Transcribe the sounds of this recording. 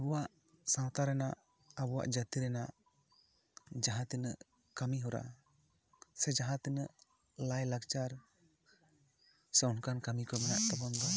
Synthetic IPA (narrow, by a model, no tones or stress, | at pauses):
abɔwaʔ | sãwt̪aɾɛnaʔ | abɔwa̰ʔd͡ʒat̪iɾɛnaʔ | d͡ʒaɦãt̪inəʔ | kamiɦɔɾa̰ | sɛd͡ʒaɦãt̪inəʔ | lajlakt͡ʃaɾ | sɛɔnkankamikɔmɛnaʔt̪ɔbɔnd̪ɔ